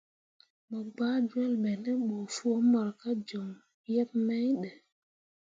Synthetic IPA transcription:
ma˨ɡ͡baː˦d͡ʒu˦ɛ˦lɓɛ˨nɛ˦ɓo˨fu˦ɔ˦mːa˨ɾka˦d͡ʒɔ˨m | jɛ˦p̚mɛ˦jɗɛ˨

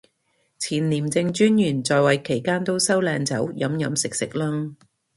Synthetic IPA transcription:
t͡sʰiː˨˩nliː˨˩mt͡sɪ˧ŋt͡ʃyː˥njyː˨˩nt͡sɔː˨˧jwɐ˨jkʰe˨˩jkaː˥nt̪o˥wsɐ˥wlɛː˧ŋt͡sɐ̰˨˥wjɐ˨˥mjɐ˨˥msɪ˨k̚sɪ˨k̚lɐː˥ŋ

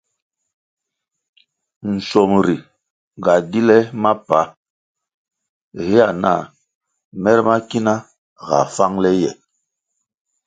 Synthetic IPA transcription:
n̩˨sɔ˨mɾi˨ | ŋ˨ɡa˨di˦lɛ˦ma˦pa˨˦ | ɣe˦a˨na̰˦˨ | mɛ˦ɾɛ˦ma˦ki˦na˦ | ɣa̰˨fa˦ŋlɛ˦jɛ̰˨

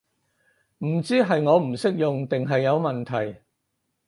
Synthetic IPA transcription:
m̩˨˩t͡siː˥ɦɐ˨jŋɔː˨˧m̩˨˩sɪ˥k̚jʊ˨ŋt̪ɪ˨ŋɦɐ˨jːɐ˨˧wmɐ˨nt̪ʰɐ˨˩j

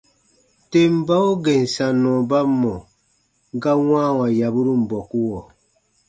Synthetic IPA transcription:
te˦m˦ba˦o˦ɡe˨n̩˨sa˨nɔ̃˨ba˦mːɔ˨ | ŋ˦ɡa˦wãː˦wa˨ja˨bu˦ɾu˦m̩˨bɔ˨ku˦wɔ˨

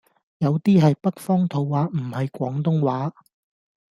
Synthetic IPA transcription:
jɐ˨˧wt̪iː˥ɦɐ˨jpɐ˥k̚fɔː˥ŋt̪ʰo˨˧wːaː˨˥m̩˨˩hɐ˨jkʷɔː˨˥ŋt̪ʊ˥ŋwaː˨˥

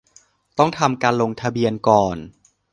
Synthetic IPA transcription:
t̪ɔ˥˩ŋt̪ʰa˧mkaː˧nlo˧ŋt̪ʰa˧bi˧ənkɔː˨˩n

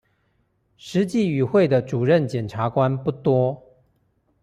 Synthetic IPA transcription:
ʂɻ̩˧˥t͡ɕi˥˩y˨˩xwe˥˩ɪd̪ə˩ʈ͡ʂu˨˩ɻə˥˩nt͡ɕjɛ˨˩nʈ͡ʂʰa˧˥kwa˦npu˥˩t̪wɔ˥

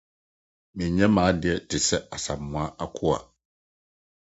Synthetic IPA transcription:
mi˨ɲɛ˦maː˨˦di˦ɛ˦tɪ˨sɛ˦a˨sa̰˨mwa˦a˦kʰu˦a̰˨

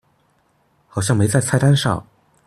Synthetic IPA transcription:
xɑ˨˩ʊɕjɑ˥˩ŋme˧˥ɪt͡sa˥˧ɪt͡sʰa˥˩ɪt̪a˥nʂɑ̰˥˩ŋ

